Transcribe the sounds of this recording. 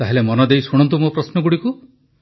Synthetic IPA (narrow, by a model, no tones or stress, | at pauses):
t̪aɦelemɔnɔd̪ejsuɽ̃ɔnt̪̬umopɾɔsnɔɡuɽiku